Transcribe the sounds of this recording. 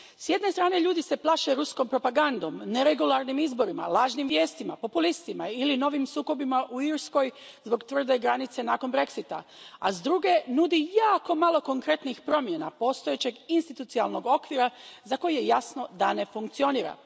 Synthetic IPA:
sje̞d̪ne̞st̪ɾaːne̞ʎuːd̪ise̞plˠaʃe̞ɾusko̞mpɾo̞paɡand̪o̞mne̞ɾe̞ɡulˠaɾnimizbo̞ɾima̰laːʒnimʋje̞ːst̪imapo̞pulist̪imailino̞ʋimsuːko̞bimaʔuiɾsko̞jzbo̞ɡt̪ʋr̩d̪e̞ɡɾanit̪se̞naːko̞nbɾe̞ksit̪a̰azd̪ɾuɡe̞nud̪ijaːko̞malˠo̞ko̞ŋkɾe̞t̪nixpɾo̞mje̞na̰po̞ːst̪o̞je̞t͡ɕe̞ɡinst̪it̪ut̪sialˠno̞ɡo̞kʋiɾazako̞jjejasno̞d̪ane̞fuŋkt̪sio̞niːɾa̰

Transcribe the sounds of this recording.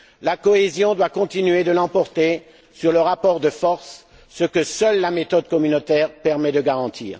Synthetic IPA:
lakɔezjɔ̃d̪wakɔ̃t̪inɥed̪əlɑ̃pɔʁt̪e | syʁləʁapɔʁd̪əfɔʁsː | əkəsœlːamet̪ɔd̪kɔmynot̪ɛːʁpɛʁmɛd̪əɡaʁɑ̃t̪ʰḭːʁ

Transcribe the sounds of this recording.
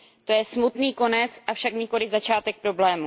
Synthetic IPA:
t̪o̞jɛsmut̪niːko̞nɛt͡sʔafʃakɲɪko̞lɪzat͡ʃaːt̪ɛk̚pɾo̞blɛːmu

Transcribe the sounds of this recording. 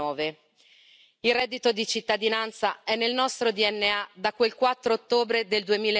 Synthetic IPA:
ɔːve | ilrɛd̪ːit̪od̪it͡ʃit̪ːad̪inant̪saɛnːelnɔst̪ɾod̪iɛnːead̪akwelkwat̪ːɾoːt̪ːoːbɾed̪eld̪uemiːl

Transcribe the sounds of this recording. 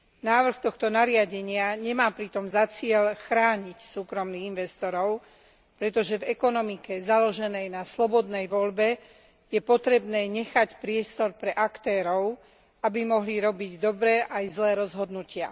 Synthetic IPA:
naːʋr̩xt̪ɔxt̪ɔnaɾɪaɟɛɲɪaɲɛmaːpɾit̪ɔmzat͡sɪɛʎxɾaːɲicsuːkɾɔmniɣinʋɛst̪ɔɾɔʊ | pɾɛt̪ɔʒɛvɛkɔnɔmikɛzalɔʒɛnɛjnaslɔbɔd̪nɛjʋɔlbɛ | jɛpɔt̪ɾɛbnɛːɲɛxacpɾɪɛst̪ɔɾpɾɛʔakt̪ɛːɾɔʊ | abimɔɦliɾɔbiɟd̪ɔbɾɛʔajzlɛːɾɔzɦɔd̪nucɪa̰

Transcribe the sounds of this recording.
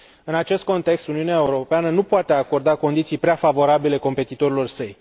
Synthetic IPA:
ɨnat͡ʃe̞st̪̚ko̞nt̪e̞kst̪uniuneaeuɾo̞peanənupoat̪e̞ako̞rd̪ako̞nd̪it̪sijpɾeafavo̞ɾabile̞ko̞mpe̞t̪it̪o̞ɾilo̞rsəj

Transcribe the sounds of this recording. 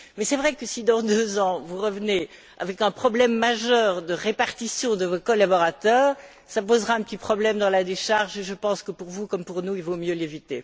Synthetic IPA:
mɛsɛvʁɛkəsid̪ɑ̃d̪øzɑ̃vuʁəvəne | a̰vɛkɛ̃pχɔblɛmːaʒœːʁd̪əʁepaʁt̪isjɔ̃d̪əvɔkɔlabɔʁat̪œːʁ | sapozʁaɛ̃pət̪ipχɔblɛmd̪ɑ̃lad̪eʃaʁʒeʒəpɑ̃skəpuʁvukɔmpuʁnuilvomjølevit̪e

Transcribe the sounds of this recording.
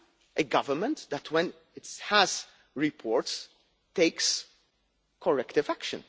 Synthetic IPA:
ʔeɡɐvəɾmə̃nt̪d̪ætʰwɛ̃n | ɪthæz | ɹɪpʰɔːɾts | t̪ːeɪks | kʰɔɹɛkt̪ɪvækʃə̰̃n

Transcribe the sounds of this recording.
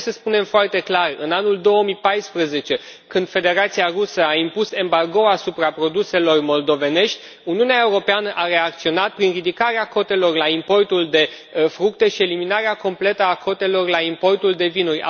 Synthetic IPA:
səspune̞mfoart̪e̞klarɨ̰nanuld̪o̞wəmipajspɾəze̞t͡ʃe̞kɨnd̪̥fe̞d̪e̞ɾat̪siarusəaimpuse̞mbarɡo̞asupɾapɾo̞d̪use̞lo̞rmo̞ld̪o̞ve̞ne̞ʃt̪ʲ | uniuneaeuɾo̞peanəʔaɾe̞ak̚t̪sio̞nat̪̚pɾinrid̪ikaɾeako̞t̪e̞lo̞rlaimpo̞rt̪uld̪e̞ | fɾukt̪e̞ʃie̞liminaɾeako̞mple̞t̪əakʰo̞t̪e̞lo̞rlaimpo̞rt̪uld̪e̞vinurʲa̰

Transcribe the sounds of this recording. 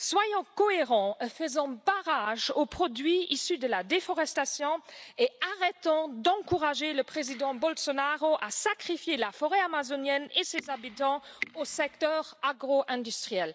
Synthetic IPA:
swajɑ̃kɔeʁɑ̃fəzɑ̃baʁaʒopχɔd̪ɥiisyd̪əlad̪efɔʁɛst̪asjɔ̃eaʁɛt̪ɑ̃d̪ɑ̃kuʁaʒeləpχezid̪ɑ̃bɔlsɔnaʁoʔasakχifjelafɔʁɛamazonjɛnesezabit̪ɑ̃osɛk̚t̪œʁaɡʁoʔɛ̃d̪yst̪χijɛl

